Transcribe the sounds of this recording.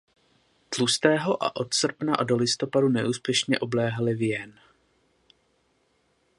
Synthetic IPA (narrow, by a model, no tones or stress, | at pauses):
t̪lust̪ɛːɦo̞ʔa̰ʔo̞t̪sr̩pnaʔado̞lɪst̪o̞padunɛʔuːspjɛʃɲɛʔo̞blɛːɦalɪvjɛn